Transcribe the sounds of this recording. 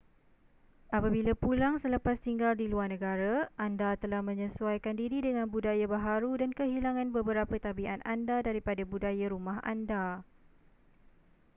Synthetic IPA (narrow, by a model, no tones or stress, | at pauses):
ʔapabilapulaŋsələpast̪iŋɡaldiluarnə̃ɡaɾaʔandat̪əlahmə̃ɲə̃suajkandiɾidəŋãnbudajabaɦaɾudankəɦilaŋãnbəbəɾapət̪abiʔanandadaɾipadabudajaɾumãɦa̰nda